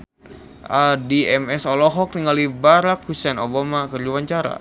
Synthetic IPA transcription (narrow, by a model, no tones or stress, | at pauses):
ʔədiɛmɛsɔlɔɦɔk̚niŋalibaɾakhusɛnobamakərd͡ʒuwaɲt͡ʃaɾa̰